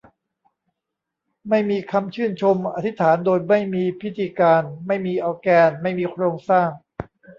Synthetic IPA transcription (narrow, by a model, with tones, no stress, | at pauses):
ma˥˩jmiː˧kʰa˧mt͡ɕʰɯ˥˩nt͡ɕʰo˧mʔa˧t̪ʰi˦˥t̪ʰaː˩˦ndoː˧jma˥˩jmiː˧pʰi˦˥t̪ʰiː˧kaː˧nma˥˩jmiː˧ʔa˧wkɛː˧nma˥˩jmiː˧kʰɾoː˧ŋsaː˥˩ŋ